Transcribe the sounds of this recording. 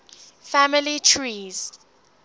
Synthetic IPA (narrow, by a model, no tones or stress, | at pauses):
famɪlitʰɹiːz̥